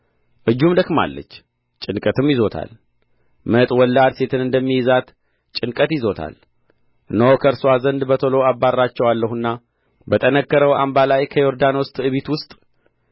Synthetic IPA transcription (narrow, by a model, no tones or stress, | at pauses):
ʔɨd͡ʒːumd̪əkma̰lːə̰t͡ʃː | t͡ʃʼɨnkʼət̪ɨmjizo̞t̪ʰa̰l | mət̪ʼwɔlːad̪se̞t̪ʰɨnɨnd̪əmːijɪzat̪ | t͡ʃʼɨnkʼət̪jizo̞t̪ʰa̰l | ɨnowkʰəɾsowazənd̪bət̪ʰolo̞abːarːat͡ʃːɛwalːəhunːa | bət̪ʼənəkːəɾəwa̰mbalajkʰəjo̞ɾd̪anost̪ʼɨβit̪wʊst̪ʼ